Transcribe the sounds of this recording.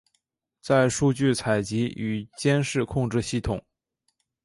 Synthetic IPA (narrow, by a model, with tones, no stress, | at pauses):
t͡sa˥˧ɪʂu˥˧t͡ɕy˥˩t͡sʰa˨˩ɪt͡ɕi˧˥y˨˩t͡ɕjɛ˥nʂɻ̩˥˧kʰʊ˥˧ŋʈ͡ʂɻ̩˥˧ɕi˥˩t̪ʰʊ˨˩˦ŋ